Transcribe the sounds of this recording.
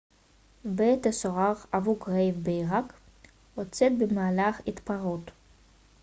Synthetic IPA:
bet̪asoʁaχavukʁevbeiʁak | ot͡set̪̚bemaːlaχit̪paʁot

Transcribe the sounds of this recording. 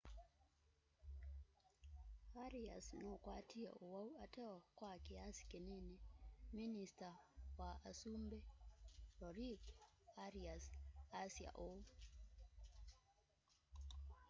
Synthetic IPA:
aɾiasnokwatia̰ʔowauatɛɔkwakiasi̥kenɛnɛministawaasumbɛlɔɾikaɾiasasia̰ʔo

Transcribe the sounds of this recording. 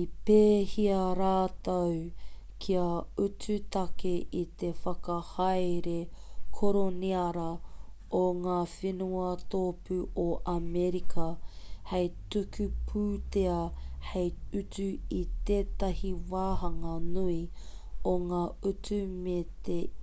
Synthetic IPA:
ipeːhiɐɾaːt̪ow | kʰiɐʉtʉt̪ɐkeʔit̪efɐkɐhɐjɾekʰoɾoniɐɾɐ | oŋaːfenuɐt̪oːpʉʔoʔɐmeɾikʰɐhejtukʉpʰuːt̪eɐhejʉtʉit̪eːt̪ɐhiwaːɦɐŋɐnui | oŋaːutumet̪e

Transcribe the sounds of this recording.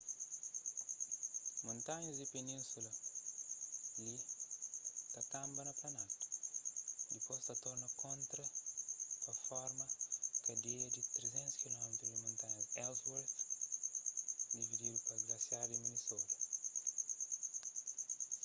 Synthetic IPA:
mõnt̪aɲɐzd̪ipenĩnsulɐ | li | t̪ɐkãmbɐnɐplɐnãt̪ | d̪ipost̪ɐt̪ɔɾnɐkõnt̪ɾɐ | pɐfɔɾmɐkɐd̪ejɐd̪it̪ɾezẽnt̪uskilɔmet̪ɾudmoĩnt̪aɲɐzɛlzwɛɾf | d̪ivid̪idupɐɡlɐsjaɾdiminisot̪ɐ̥

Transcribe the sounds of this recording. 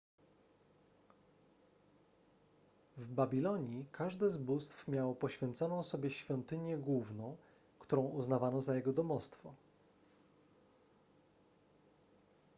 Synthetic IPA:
vbabʲilɔɲikʰaʐd̪ɛzbust̪fmʲjawpɔɕfʲjɛnt̪sɔnɔ̃w̃sɔbʲjɛɕfʲjɔnt̪ɘɲjɛɡwuvnɔ̃w̃ | kt̪uɾɔ̃w̃uznavanɔzajɛɡɔd̪ɔmɔst̪fɔ

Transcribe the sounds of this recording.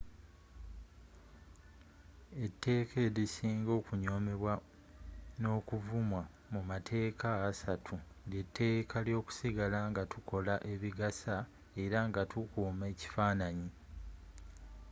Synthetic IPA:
e̞tːe̞ːkʰe̞ːɾisiːŋɡo̞ːkuɲo̞ːme̞βwa | no̞ːkuvumwa | mumatʰe̞ːkaːsatʰu | ditʰːe̞ːkʰaljo̞ːku̥siɡalaŋɡatukʰo̞laʔe̞βiɡasa | e̞ɾaŋɡatʰukuːme̞ːci̥faːnaɲi

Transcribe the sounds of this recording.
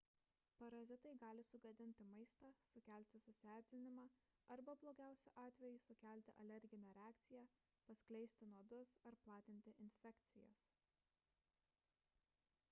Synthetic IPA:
pɐɾɐzʲɪt̪ɐɪɡɑːlʲɪsʊɡɐd̪ʲɪnʲt̪ʲɪmɐɪst̪ɑːsʊkʲæˑlʲt̪ʲɪsʊsʲæːɾʲzʲɪnʲɪmɑː | ɐɾbɐblˠoːɡʲæˑʊsʲʊʔɑːt̪ʲʋʲɛjʊsʊkʲæˑlʲˑt̪ʲɪ̰ʔɐlʲɛɾʲɡʲɪnʲɛɾʲɛɑːkt̪sʲɪjæː | pɐsʲklʲɛɪsʲt̪ʲɪnuɔd̪ʊsɐɾplˠɑːt̪ʲɪnʲt̪ʲɪʔɪnʲfʲɛkʲt̪sʲɪjɛ̰s

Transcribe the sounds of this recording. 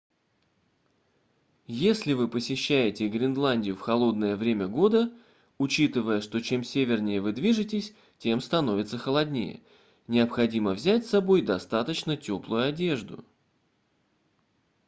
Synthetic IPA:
jesʲlʲɪvɨpəsʲɪɕːæjɪtʲɪɡɾʲɪnd̪lˠanʲdʲɪjʊfxɐlˠo̞d̪nəjəvɾʲemʲəɡo̞d̪ə | ʊt͡ɕit̪ɨvəjəʂt̪o̞t͡ɕe̞msʲevʲɪrnʲɪjəvɨd̪vʲiʐɨtʲɪsʲ | tʲe̞mst̪ɐno̞vʲɪt̪səxəlˠɐd̪ʲnʲḛjə̰ | nʲɪəpxɐdʲiməvzʲætʲsɐbo̞jd̪ɐst̪at̪ət͡ɕnətʲo̞plˠʊjʊɐdʲe̞ʐd̪ʊ̰

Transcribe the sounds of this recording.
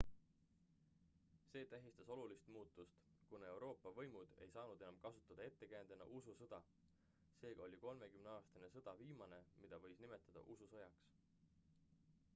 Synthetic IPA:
se̞ːt̪æɦist̪ɑso̞lulist̪muːt̪ːˑust̪ | kune̞wɾo̞ːpːˑɑvɤ̞jmud̪̥e̞jsɑːnud̪̥e̞nɑmkɑsut̪ːˑɑd̪̥ɑe̞t̪ːe̞kænd̪̥enɑ̰ʔususɤd̪̥ɑ | se̞ːɡ̥ɑo̞lʲiko̞lme̞kymneɑːst̪ɑnesɤd̪̥ɑviːmɑne̞mid̪̥ɑvɤ̞jsnime̞t̪ˑːɑd̪̥ɑ̰ʔususɤjɑks

